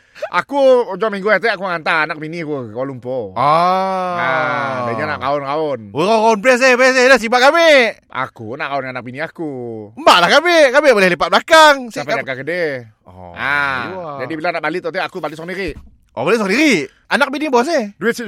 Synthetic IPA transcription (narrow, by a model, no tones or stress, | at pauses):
a̰kuod͡ʒamiŋɡuaht̪eakuŋant̪aanak̚binikukolumpoo | adaɲanaʔkaʊnkaonwəkakaʊnpɛs̬epɛs̬edas̬ibaʔkameʔ | a̰kkunaʔkaʊnanak̚biniakumbaʔlahkamekameʔbolɛhləpat̪̚blakaŋsapad͡ʒakakəde | ɔad͡ʒadibilanaʔbaliʔt̪ɔt̪eʔakubalɪt̪̚sɔkdiɾiʔ | obalit̪sɔkdiɾi | anak̚binibɔs̬ehduɪt̪̚si